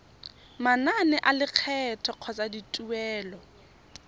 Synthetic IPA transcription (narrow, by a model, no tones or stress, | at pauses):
mananɪʔalɪq͡χʰɛtʰɔq͡χʰɔt͡sʼaditʼuɛːlɔ